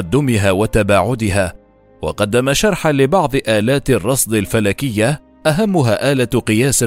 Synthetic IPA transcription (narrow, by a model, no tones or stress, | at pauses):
d̪ːʊmɪɦaːwat̪abaːʕʊd̪ɪɦaː | wɑ̰qɑd̪ːamaʃɑɾˤħanlɪbɑʕd̪ˤʔaːlaːt̪ɪrˤːɑsˤd̪ˤɪlfalaːkɪjːa | ʔaɦamːʊɦaːʔaːlaqɨjaːsɪ